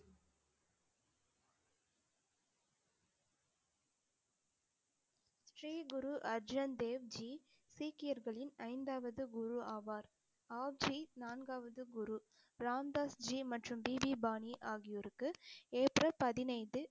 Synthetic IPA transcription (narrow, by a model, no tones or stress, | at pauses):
ssʈriːɡʊɾuʔɐɾd͡ʒɐnd̪eːʋd͡ʒiː | siːkɪjɐɾɣɐɭɪnɐɪnd̪aːʋɐðɯɡʊɾuaːʋaːɾ | aːʋd͡ʒiːnaːnɡaːʋɐðɯɡʊɾu | b̥ɾaːmd̪aːsd͡ʒiːmɐʈrɯmbiːbibaːniʔaːɣɪjɔɾɯkːɯeːprɐpɐðɪnɐɪðɯ